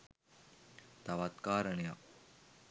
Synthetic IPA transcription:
t̪ɐʋat̪kaːɾɐɳja

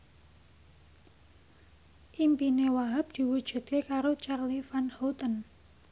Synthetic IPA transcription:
ʔimpinewaɦap̚d̪̥i̤wud̥ʒ̥ṳd̪̚kekaɾot͡ʃarlifanhowt̪ən

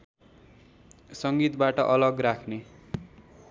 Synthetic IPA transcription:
sʌŋɡit̪baʈʌʔʌlʌɡrakʰne

